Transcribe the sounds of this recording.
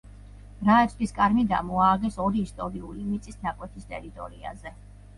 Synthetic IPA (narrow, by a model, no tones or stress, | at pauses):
ɾaɛsʰʼt̪iskʼaɾmid̪a̰mɔaɡɛsɔɾiːst̪ʼɔɾiulimit̪sʼisnakʼwɛt̪ʰist̪ʼɛ̰ɾit̪ʼɔ̰ɾia̰zɛ